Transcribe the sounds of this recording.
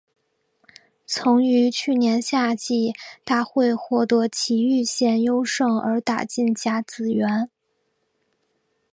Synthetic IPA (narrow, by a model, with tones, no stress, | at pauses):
t͡sʰʊ˧˥ŋy˧˥t͡ɕʰy˥˩njɛ˧˥nɕja˥˧t͡ɕi˥˩t̪a˥˧xwe˥˧ɪxwɔ˥˩t̪ɤ˧˥t͡ɕʰi˧˥y˥˧ɕjɛ˥˩njo˥ʊʂɤ˥˩ŋə̰˞˧˥t̪a̰˨˩t͡ɕi˥˩nt͡ɕja˥t͡sɹ̩˨˩ɥɛ˧˥n